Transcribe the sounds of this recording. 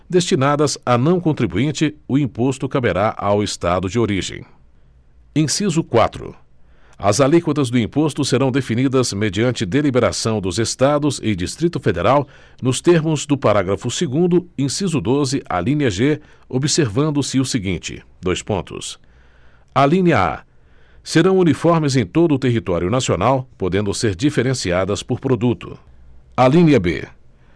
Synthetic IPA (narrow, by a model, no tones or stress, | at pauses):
d̪est͡ʃinad̪ɐzanɐ̃w̃kõt̪ɾibuĩnt͡ʃɪʊĩpost̪ʊkabeɾaʔawest̪ad̪ʊd͡ʒɪoɾiʒḛ̃j̃ | ẽsizʊkwa̰t̪ɾʊ̰ | ɐ̰zalikwot̪ɐzd̪ʊĩpost̪ʊseɾɐ̃w̃d̪efinid̪ɐzmed͡ʒiɐ̃nt͡ʃɪd̪elibeɾa̰sɐ̃w̃d̪ʊzest̪ad̪ʊzɪ̰d͡ʒist̪ɾit̪ʊfed̪eɾaw | nʊst̪eɾmʊzd̪ʊpaɾaɡɾɐfʊseɡũd̪ʊẽj̃sizʊd̪ozɪʔa̰lĩniɐʒe | obiseɾvɐ̃nd̪ʊsɪʊsɪɡĩnt͡ʃɪ̰ | d̪ojspõ̰nt̪ʊ̰s | alĩniɐa̰ | seɾɐ̃w̃unifɔɾmɪzẽj̃t̪od̪ʊt̪eɦit̪ɔɾjʊnasionawpod̪ẽnd̪ʊseɾd͡ʒifeɾẽsiad̪ɐspʊɾpɾod̪ut̪ʊ̰ | alĩnɐbḛ